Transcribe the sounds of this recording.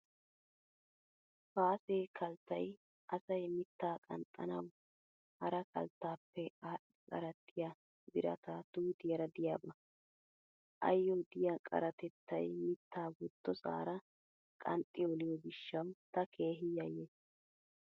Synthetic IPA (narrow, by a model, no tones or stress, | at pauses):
faːseːkʰɐlt̪ːɐj | ʔɐsɐjmɪt̪ːaːkʼɐ̰nt̪ʼːɐ̰nɐw | hɐɾɐkɐ̰lt̪ːaːpːɛaɪkʼɐ̰ɾɐt̪ʰːɪjɐ | bɪɾɐ̰t̪ɐt̪uːt̪ɪjɐɾɐd̪ɪjaːbɐ | ʔɐ̰jːɔd̪ɪjɐkʼɐ̰ɾɐt̪ɛt̪ːɐ̰jmɪt̪ːaːwʊt̪ːɔsa̰ːɾɐ | kʼɐ̰nt̪ʼːɪɔlɪjɔɡɪʃːɐwt̪ɐkʰe̞ːɦɪjɐjːe